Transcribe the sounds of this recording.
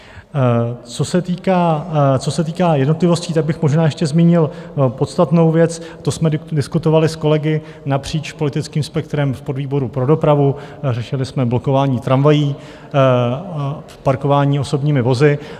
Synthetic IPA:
t͡so̞sɛt̪iːkaːt͡so̞sɛt̪iːkaːjɛdnot̪lɪvo̞sciːt̪aɡ̚bɪxmo̞ʒnaːjɛʃcɛzmiːɲɪlpo̞t̪st̪at̪no̞wvjɛt͡st̪osmɛdɪskut̪o̞valɪsko̞lɛɡɪ | napr̝̥iːt͡ʃpo̞lɪt̪ɪt͡skiːmspɛkt̪ɾɛmfpo̞dviːbo̞ɾupɾo̞do̞pɾavurɛʃɪlɪsmɛblo̞ko̞vaːɲiːt̪ɾanvajiː | fpaɾko̞vaːɲiːo̞so̞bɲiːmɪvo̞zɪ

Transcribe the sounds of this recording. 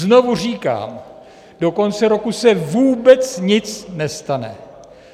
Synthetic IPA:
zno̞vur̝iːka̰ːm | do̞ko̞nt͡sɛɾo̞kusɛvuːbɛt͡sɲɪt͡snɛst̪anɛ̰

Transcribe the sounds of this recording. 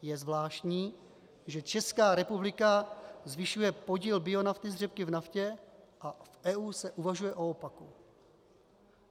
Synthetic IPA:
jɛzvlaːʃtɲiː | ʒɛt͡ʃɛskaːɾɛpublɪkazvɪʃujɛpo̞ɟiːlbɪo̞naft̪ɪzrɛp̚kɪvnafcɛʔafɛuːsɛʔuvaʒujɛʔo̞opaku

